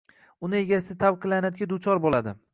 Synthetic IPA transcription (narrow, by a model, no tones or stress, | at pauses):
ʊnɪe̞ɡʲasɪd̪ɪt̪ʰavqʰɨlanad̪ɡʲad̪ʊt͡ʃʰɒɾbolad̪ɪ̰